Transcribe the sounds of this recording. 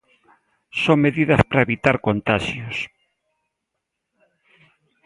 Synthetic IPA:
soŋmeðiðɐspɾaeβit̪aɾkont̪aʃjʊs

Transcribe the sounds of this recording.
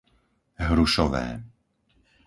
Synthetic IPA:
ɦɾuʃɔʋɛ̰ː

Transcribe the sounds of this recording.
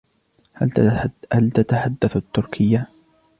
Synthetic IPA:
hahalt̪at̪aħad̪ːaθat̪ːʊɾkʰɪjːa

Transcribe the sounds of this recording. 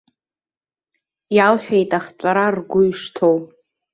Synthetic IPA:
jalħʷᶣejtʼaχt͡sʷʼaɾarɡʷʊiʂtʰow

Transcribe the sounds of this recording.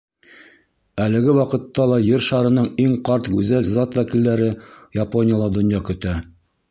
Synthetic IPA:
ælɘ̆ɡɘwɑqɤ̆t̪ːɑlˠɑjɘɾʃɑɾɤ̆nɤɴiŋqɑɾt̪ɡʉzælzɑt̪wækilːæɾɘjaponʲɪjəlˠɑd̪ŏnjɑkɵ̆t̪æ

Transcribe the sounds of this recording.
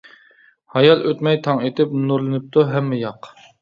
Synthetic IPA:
hɑjɑlˠʔøt̪mɛjt̪ʰɑŋet̪ʰɪpnuɾlˠɨnɨp̚t̪ʰuɦɛmːɪjɑq

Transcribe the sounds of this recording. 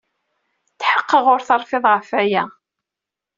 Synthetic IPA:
θħəqːəʁʊɾθɑɾˤfɪðˤʁəfæjæ

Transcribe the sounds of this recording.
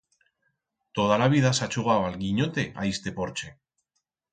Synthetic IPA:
t̪o̞ð̞alaβ̞ið̞asat͡ʃuɣ̞awalɣiɲo̞t̪e̞ʔa̰ist̪epo̞ɾt͡ʃe̞

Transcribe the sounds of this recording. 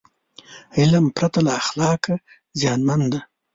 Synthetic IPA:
ɪlampɾat̪alaːxlɑːka | zjɑːnmand̪a

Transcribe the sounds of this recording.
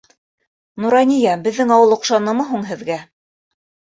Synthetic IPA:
nuɾɑnʲijɑbɘ̆ðːɘŋɑwɤlˠŏqʃɑnɤ̆mɤɦuɴɦɘ̆ðɡæ

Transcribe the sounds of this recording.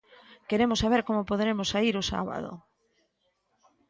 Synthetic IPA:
keɾemʊsaβ̞eɾkomopoð̞eɾemʊsaiɾʊsa̰βa̰ðo̰

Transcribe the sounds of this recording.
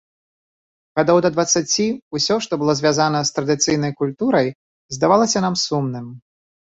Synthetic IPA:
ɣad̪ɔwd̪ɐd̪vɐt̪sːat͡sʲiusʲɔʂt̪ɔbɨlˠɔzʲvʲazanɐst̪ɾɐd̪ɨt̪sɨjn̪ɐjkulʲt̪uɾɐj | zd̪avalˠɐsʲɐnamsumnɨm

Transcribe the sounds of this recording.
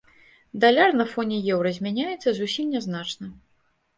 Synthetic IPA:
d̪alʲarnɐfɔnʲɛjɛwɾɐzʲmʲanʲajɛt̪sːɐzusʲimnʲɛznat͡ʂnɐ

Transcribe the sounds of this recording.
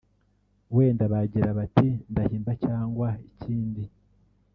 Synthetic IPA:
we̞ːndaβaɟiɾaβatindahiːmbacaːŋɡwaiciːndi

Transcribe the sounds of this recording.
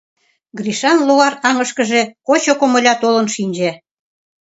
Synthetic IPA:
ɡriʃɑnluɑrɑŋə̆ʃkə̆ʒekot͡ɕokŏmə̆lʲɑt̪olɤ̆nʃinʲd͡ʑe

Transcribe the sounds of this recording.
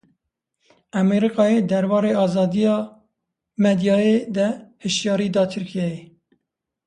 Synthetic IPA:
æmeɾikɑːjeːd̪ɛɾbɑːɾeːɑːzɑːd̪ijɑː | mɛd̪jɑːjed̪ɛhɨʃjɑːɾiːd̪ɑːt̪ʰɨɾkʰijɛje

